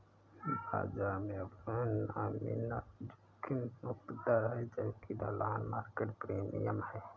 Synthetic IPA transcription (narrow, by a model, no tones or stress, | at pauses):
bʱa̰ːd͡ʒamẽəbamḭnad͡ʒukʰːinmʊkt̪d̪əɾɦɛd͡ʒəbkid̪ʱəlaːnmaːɾkeʈpɾeːmḭjəmhɛː